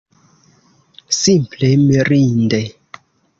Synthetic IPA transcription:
simplemiɾinde

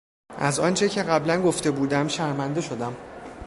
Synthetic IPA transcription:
ʔæzɒ̰ːnt͡ʃʰe̞cʰe̞ɣæblænɡo̞ft̪e̞buːd̪æmʃæɾmænd̪e̞ʃo̞d̪æm

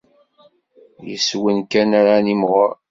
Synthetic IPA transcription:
jəswənkænaɾanimʁəɾ

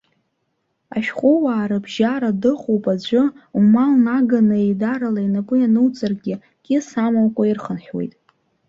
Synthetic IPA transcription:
a̰ʃᶣχʷʼʊwaːɾɨbʒaɾadɨχowpʼad͡ʒʷɨumalnaɡanɨedaɾalainapʼɨjanɨwt͡sʼarɡʲɪ | kʲʼɪsamawkʷʼairχənħʲᶣwe̞̰jtʼ

